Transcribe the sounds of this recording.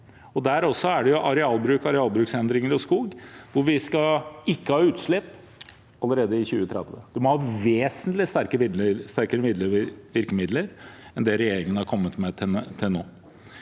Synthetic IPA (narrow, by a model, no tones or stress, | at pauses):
ɔd̪æːɾɔsːɔæɖɛjʊʔɑɾɛɑːlbɾʉːkɑɾɛɑːlbɾʉːksɛnd̪ɾɪŋəɾɔskuːɡʋʊɾʋɪskɑɪkːəhɑːʉːt̪ʂlɪpː | ɑlːəɾeːd̪əɪçʉːət̪ʰɾɛ̰d̪̥ʋə̰d̪̥ɛmɔhɑːʋeːsənt̪lɪst̪æɾkəmɪd̪ləst̪æɾkəɾəmɪd̪ləʋɪɾkəmɪd̪ləɾɛnd̪ɛɾɛjeːɾɪŋənəhɑɾkʰɔmːət̪mɛt̪ʰt̪ʰːɪlnoː